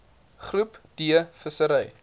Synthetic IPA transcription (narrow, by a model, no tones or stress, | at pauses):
χrupd̥iəfəsəɾɛj